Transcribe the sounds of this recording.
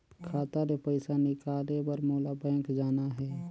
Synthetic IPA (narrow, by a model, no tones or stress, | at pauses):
kʰaːt̪aɾepəɪsanɪkaːlebəɾmoːlabɛ̃ːkd͡ʒaːnaɦɛː